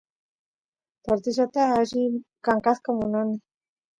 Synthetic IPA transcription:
t̪oɾt̪iʃ̬at̪aːʒikaŋkaθkomunani

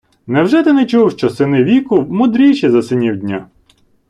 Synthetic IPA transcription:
nɛwʒɛt̪ɪnɛt͡ʃuwʃt͡ʃɔsɪnɪʋʲikʊmʊd̪ɾʲit͡ʃizɐsɪnʲiwdʲnʲa̰

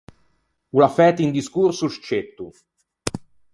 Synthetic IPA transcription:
ulafɛːt̪ind̪iskursuʃt͡ʃet̪ːu

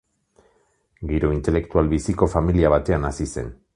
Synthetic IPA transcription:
ɡiɾo̞int̪e̞le̞kt̪ualβisiko̞familiaβ̞at̪e̞anasise̞̰n

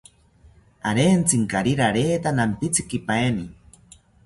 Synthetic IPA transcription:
aɾeːnt͡siŋkaɾiɾaɾeːt̪anampit͡si̥kipaeni

